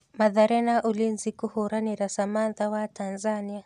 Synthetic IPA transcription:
maðaɾɛnaʔulinzikuhuɾaniɾasamanðawatʰanzania

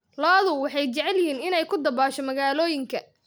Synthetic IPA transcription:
lɔːðʊwɑħɑjt͡ʃɛʕɛljɪhiːnɪnɛjkʰʊd̪ɐbaːʃɔmɐɣaːlɔːjɪŋkʰɐ

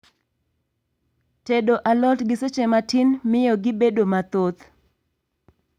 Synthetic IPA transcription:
tedoʔalɔtɡɪset͡ʃematɪnmɪjɔɡɪbedomat̪ot̪

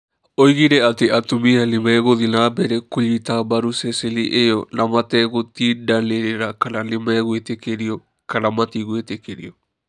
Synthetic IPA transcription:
oiɣiɾɛateʔatumianemɛɣoðinabɛɾɛkoʎitabaɾusɛseliʔejɔnamatɛɣotidaneɾeɾakananemɛɣwetekeɾiɔ | kanamatiɣwetekeɾḭɔ

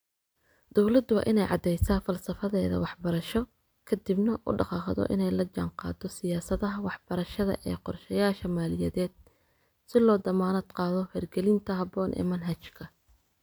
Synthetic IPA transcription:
d̪̥ɔwlɐd̪ʊw̰ːʔɪnɛjʕɑ̰d̪ɛjsaːfɐlsɐfɐðɛːðɐ̰wɑħbɐɾɐʃɔ | kʰɐd̪ibnɐʔʊ̰ɖɑqɑːχðɔ̰ʔɪ̰nɛjlɐd͡ʒɑ̰ɴqɑ̰ːd̪ɔsɪjaːsɐðɐɦɐwɑħb̥ɐɾɐʃɐðɐ̰ʔɛ̰ːqɔrʃɛjaːʃɐmaːlɪjɛðɛːd̪̥̚ | sɪlɔːd̪ɐmaːnɐd̪qɑːðɔhɛrɡɛlɪnt̪ʰɐɦɐbɔːnʔɛ̰ːmɐnɦɐt͡ʃkʰɐ

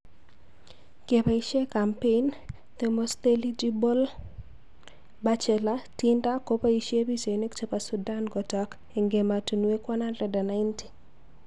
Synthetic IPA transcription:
kepaiʃekampen | t̪emost̪elid͡ʒibɔl | bat͡ʃɛlatindakopaiʃjebisenekt͡ʃepasudanɡɔtɔk | eŋɡematunwekwananrɛdanaɪnti̥

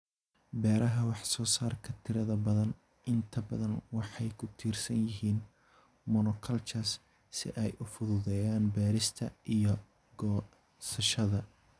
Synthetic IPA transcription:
bɛːɾɐɦɐwɑħsɔːsaːrkʰɐt̪ʰɪɾɐðɐbɐðɐn | ʔɪnt̪ʰɐbɐðɐnwɑħɑjkʰʊt̪ʰiːrsɐnjɪɦiːn | mɔnɔkʰɐlt͡ʃʰɐs | sɪ̰ʔɛjʊfʊðʊðɛjaːnbɛːɾɪst̪ʰɐʔijɞ | ɡɔː | sɐʃɐðɐ

